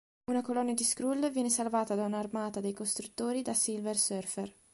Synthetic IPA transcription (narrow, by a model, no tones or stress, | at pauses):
unakolɔnːad̪iskɾulvjɛːnesalvaːt̪ad̪aunaːrmaːt̪ad̪ejkost̪ɾut̪ːoːɾid̪asilversørfer